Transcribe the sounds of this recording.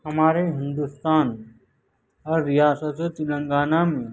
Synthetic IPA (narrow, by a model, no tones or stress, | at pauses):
hɐmaːɾeɦɪ̃nd̪ʊst̪aːn | ɔːɾːijaːsət̪t̪ɪlə̃ŋɡaːnamẽ